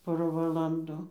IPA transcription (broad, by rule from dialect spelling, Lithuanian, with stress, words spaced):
ˈpoːrɐ ʋɐlˠɐnˈdʊ